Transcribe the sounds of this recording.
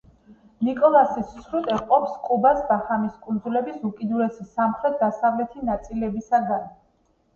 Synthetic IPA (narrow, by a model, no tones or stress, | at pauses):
nikʼɔlˠasissɾut̪ʼɛqʼɔpskʼubasbaχamiskʼund̪zulɛbisukʼid̪uɾɛsisamχɾɛt̪̚d̪asavlɛt̪ʰinat̪sʼilɛbisaɡan